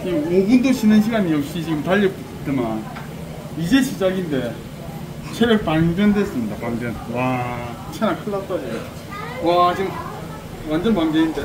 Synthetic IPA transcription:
t͡ɕiobundoɕʰinɯnɕʰiɡaɲijʌkɕ͈it͡ɕiɡɯmtaʎːʌk͈i | t͈ɯman | id͡ʑe̞ɕʰid͡ʑaɡinde̞ | t͡ɕʰeɾʌɭpaŋbjʌndes͈ɯmɲidapaŋbjʌnwa | t͡ɕʰanakʰɯːat͈aje | wat͡ɕiɡɯm | wand͡ʑʌnpaŋɡeinde

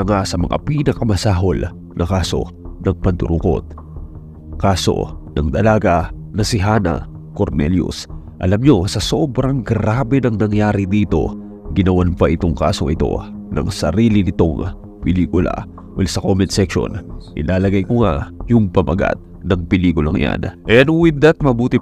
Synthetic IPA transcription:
ɐŋasɐmɐ̰ŋʔa̰pinɐkɐmɐsaːɦol | nʔɐkaːso̞̰nɐŋpɐnt̪ʊɾʊko̞̰t̪̚ | kaːso̞̰nɐŋd̪ɐlaːɡɐ | nɐsɪɦaːnɐ̰ | ko̞ɾnɛljʊ̰s | ʔɐlɐmɲo̞sɐso̞bɾɐŋɡɾaːbɛnɐŋnɐŋjaːɾɪd̪iːt̪o̞̰ | ɡɪnɐwanpɐʔɪt̪oŋka̰ːso̞ʔɪt̪o̞̰nɐ̰ŋsɐ̰ɾiːlɪnɪt̪o̞ŋ | pɪliːkʊla̰ | olsɐkomɛnt̪sɛkʃo̞̰nʔɪlʔaːlɐɡajkoŋajʊŋpɐmɐɡa̰t̪̚ | nɐŋpɪliːkʊlɐŋja̰nʔɛɐnwɪd̪ɐt̪̚mɐbuːt̪ɪ

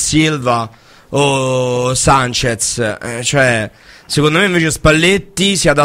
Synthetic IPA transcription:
silva | o | sant͡ʃet̪st͡ʃoɛ | sekond̪omeiɱveːt͡ʃeospalːet̪ːisiad̪a

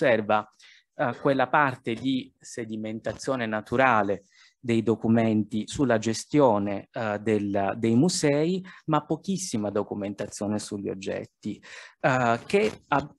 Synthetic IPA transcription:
ɛrva | kwelːapart̪ed̪ised̪iment̪at̪sːjɔːnenat̪ʰuɾaːle | d̪ejd̪okumɛnt̪isulːad͡ʒest̪jɔːned̪eld̪ejmuzɛːimapːokisːimad̪okument̪at̪sːjɔːnesuʎːio̰d͡ʒːɛ̰t̪ːi | kea

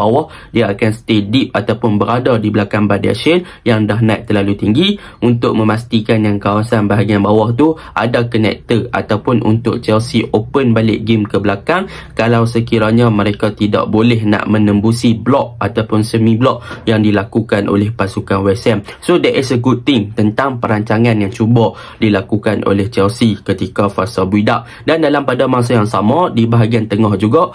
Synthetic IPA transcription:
bawahdiaːkansə̥t̪edip̚at̪awpʊnbəɾadadibəlakaŋbada̰ʃən | jaŋdaɦnat̪̚t̪ːərlalut̪iŋɡi | unt̪ʊʔ̚mə̃mast̪ikanjaŋkawasanbaɦaɡianbawaht̪u | ʔa̰dakənɛ̰k̚t̪əa̰t̪awpʊnʔṵnt̪ʊ̰k̚t͡ʃɛlsiʔopənbalɪʔɡemkəbəlakaŋ | kalawsəkiɾaɲãmə̃ɾekat̪ida̰ʔbolɛɦnã̰ʔmə̃nə̃mbusiblɔʔ̚at̪awpʊnsəmĩblɔʔ̚jaŋdilakukanʔo̰lɛhpasukanwɛsɛmsodəʔɛsəɡud̚t̪ɪŋt̪ənt̪aŋpəɾaɲt͡ʃaŋãnjaŋt͡ʃubɔ | dilakukanʔo̰lɛht͡ʃɛlsikət̪ikafarsabuidaʔ̚ | dandalampadamas̬ajaŋsamãdibaɦaɡiant̪əŋɔhd͡ʒuɡaʔ

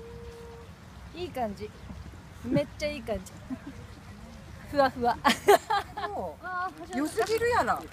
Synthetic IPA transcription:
iːkãɲ̟d͡ʑi | met͡ɕt͡ɕːaiːkãɲ̟d͡ʑi | ɸɯ̟aɸɯ̟βa | o | josɨɡʲiɾɯ̟jana

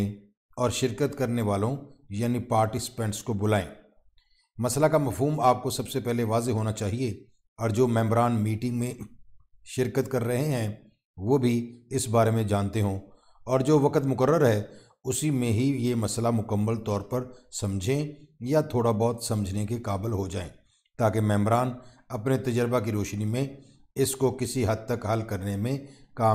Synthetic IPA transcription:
ɔːɾʃɪɾkət̪kɐɾneʋaːlõjaːnipaːɾʈɪsɪ̥pɛ̃ːɳʈskobʊlaːẽː | mɐslakamɐfɦuːmaːp̚kosɐbsepɛɦleʋaːzeɦoːnat͡ʃaːɦie | ɔːɾd͡ʒoːmɛ̃ːmbɾaːnmiːʈɪ̃ŋɡmẽ | ʃɪɾkət̪kɐɾːɐɦeɦɛ̃ː | ʋoːbʱiɪsbaːɾemẽd͡ʒaːnt̪eɦõ | ɔːɾd͡ʒoːʋɐkət̪mʊkəɾːəɾɦɛː | ʊsimẽɦijemɐslamʊkəmːəlt̪ɔːɾpɐɾsɐ̃md͡ʒʱẽjat̪ʰoːɽabɔːt̪sɐ̃məd͡ʒʱnekekaːbɪlɦod͡ʒaːḛ̃ː | t̪aːkemɛ̃ːmbɾaːn | ɐpnet̪ɐd͡ʒəɾbak̬iɾoːʃnimẽ | ɪskokɪsiɦɐd̪̚t̪ɐkɦɐlkɐɾnemẽkaː

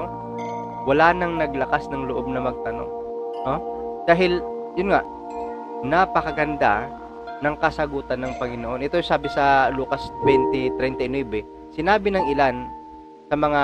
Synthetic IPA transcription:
wɐlaːnɐŋnɐɡlɐkasnɐŋloʔo̞b̚nɐmɐɡ̚t̪ɐno̞̰ŋnod̪̥aːɦɪljʊnŋaʔ | napɐkɐɡɐnd̪a | nɐŋkɐsɐɡuːt̪ɐnːɐŋpɐŋɪnoʔo̞nʔɛt̪ojsaːbɪsɐluːkɐsbɛnt̪ɪt̪ɾɛnt̪ɛnɛbɛ | sɪnaːbɪnɐŋʔɪlan | sɐmɐŋa

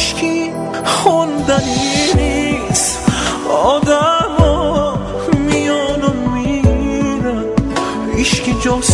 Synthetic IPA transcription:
ʃkʰi | χɔnd̪aninis | ɔd̪amɔ | mijɔnɔmmi | ɾa | iʃkid͡ʒɔs

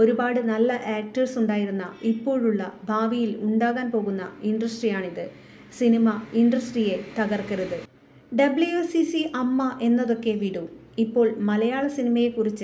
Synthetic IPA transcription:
o̞ɾubaːɽɨnɐlːɐʔaːk̚ʈɐrsuɳɖaːjiɾunːɐipːo̞ːɻuɭːɐbʱaːʋijiluɳɖaːɣaːnpo̞ːɣunːɐ̰iɳɖrɐsʈrijaːɳiðɨ | sinimɐiɳɖrɐsʈrije̞t̪ɐɣɐrkɐɾuðɨ | ɖɐblujusisiʔɐmːɐʔe̞nːɐðo̞kːe̞ʋiɽuipːo̞ːɭmɐlɐjaːɭɐsinimɐjekːurit͡ɕːɨ

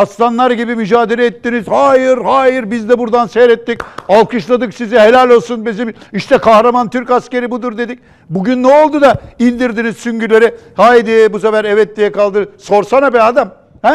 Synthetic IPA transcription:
ast̪anlˠaɾɟibimyd͡ʒaːd̪e̞ɾɛːt̪ːiniz̥haːjɯɾhaːjiɾbizd̪ɛbuɾd̪ansejɾɛt̪ːicalˠkʰɯʃlˠad̪ɯksiziɦe̞lʲælʲo̞lˠsunbizimiʃt̪ʰɛkʰahɾamant̪ʰyɾcasce̞ɾibud̪uɾd̪e̞d̪ic̚ | buɟynːɛo̞lˠd̪ud̪ailʲd̪iɾd̪inizsyɲɟylʲe̞ɾihaːjd̪ijɛbusefæɾɛvɛt̪ːʲijɛkalˠd̪ɯso̞ɾsanabɛad̪am | hɛ

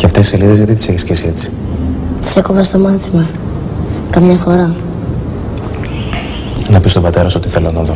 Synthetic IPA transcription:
ceɐft̪ei̥se̞liðezʝɐt̪it̪i̥seçiscesie̞t͡si̥ | se̞kovɐst̪o̞mɐnθimɐ | kɐmɲɐfo̞ɾɐ | nɐpist̪o̞bɐt̪e̞ɾɐso̞t̪iθe̞lɐnɐðo̞

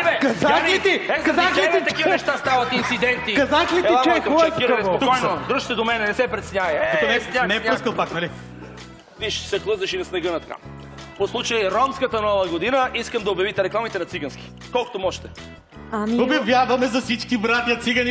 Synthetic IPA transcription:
ɛbɛkazaklit̪iɛkɐzakit̪ɛt̪ɐkivɐnɛʃt̪ast̪avɐt̪int̪sid̪ɛnt̪ikɐzaklit̪aɔɛkɔɛiɛpouɔjnod̪ɾʃsɛd̪omɛnɛnɛsɛpɾɛt̪sɲaɛk̪onɛanɛpuskəɐlˠpaknali | viʃsɛklˠəzɐʃinɐsnɛɡənɐt̪ɐka̰ | poslˠut͡ʃɐjɛɾɔmskɐt̪ɐnɔvəɡod̪inɐʔiskɐmd̪ɐobjɐvit̪ɛɾɛklˠamit̪ɛnɐt̪siɡɐnski̥ | kɔlˠko̥t̪omɔʃt̪ɛ̥ | amobjɐvjavɐmɛzɐsit͡ʃkibɾat̪ijɐt̪siɡɐni

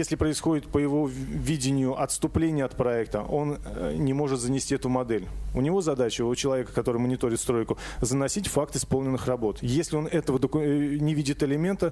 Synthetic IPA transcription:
jesʲlʲɪpɾəɪsxo̞dʲɪt̪̚pəjɪvo̞vʲidʲɪnʲɪjʊʔɐt̪st̪ʊplʲenʲɪjəɐt̪pɾɐɛk̚t̪ə̰ʔo̞nnʲɪmo̞ʐɨt̪zənʲɪsʲtʲiɛt̪ʊmɐd̪ɛlʲʊnʲɪvo̞zɐd̪at͡ɕɪʊt͡ɕɪlˠɐvʲekə̥kɐt̪o̞ɾɨjmənʲɪt̪o̞ɾʲɪt̪st̪ɾo̞jkʊzənɐsʲitʲfak̚t̪ɨspo̞lˠnʲɪnːɨxrɐbo̞t̪jesʲlʲɪo̞nɛt̪əvəd̪əkʊnʲɪvʲidʲɪt̪ɪlʲɪmʲe̞nt̪ə

